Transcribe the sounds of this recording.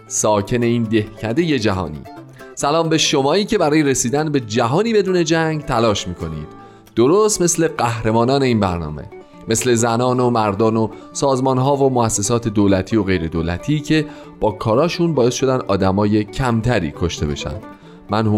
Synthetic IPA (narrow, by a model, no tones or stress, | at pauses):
sɒːcʰe̞ne̞iːnd̪e̞hcʰæd̪e̞je̞d͡ʒæɦɒ̰ːnḭːsælɒːmbe̞ʃo̞mɒːiːcʰe̞bæɾɒːjeɾe̞siːd̪ænbe̞d͡ʒæɦɒːniːbe̞d̪uːne̞d͡ʒæŋɡt̪ʰælɒːʃmiːkʰo̞nḭːd̪̥ | d̪̥oɾoːst̪me̞sle̞ɢæhɾe̞mɒːnɒːne̞iːnbæɾnɒ̰ːme̞̰ | me̞sle̞zænɒːnomæɾd̪ɒːno̞ | sɒːzmɒːnɦɒːvo̞moæsːe̞sɒːt̪ʰe̞d̪oːlæt̪ʰiːoɣe̞jɾe̞d̪oːlæ̰t̪ʰiːcʰe̞ | b̥ɒːkʰɒːɾɒːʃunbɒːjesʃo̞d̪ænd̪ʔɒːd̪æmɒːje̞cʰæmt̪ʰæɾḭːkʰo̞ʃt̪e̞̰be̞̰ʃæ̰nd̪̥ | mænhu